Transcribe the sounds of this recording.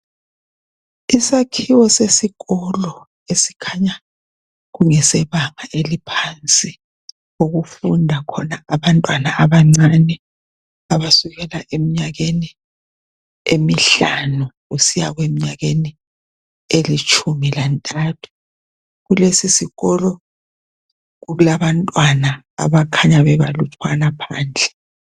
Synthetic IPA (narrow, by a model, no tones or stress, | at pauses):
isakʰiwɔsesiɣɔlɔ | esi̥kʰaɲa | ɣuŋɛsɛβaŋaʔelipʰant͡sʼi | oɣufundʱakʰɔnaaβantʼwanaʔaβaŋ͡ǀanɛ | aβasuɣɛlaʔemiɲaɣeni | emiɬanuɣusijaɣwemiɲaɣeni | elit͡ʃʼʰumilantʼatʰu̥ | ɣulesisiɣɔlɔ | ɣuɣulaβantʼwana | a̰βakʰaɲaβɛβa̰lutʰwanapʰaːnd͡ɮʱɛ